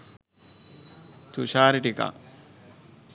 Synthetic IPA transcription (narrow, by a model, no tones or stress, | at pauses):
t̪uʃaːɾiʈika̰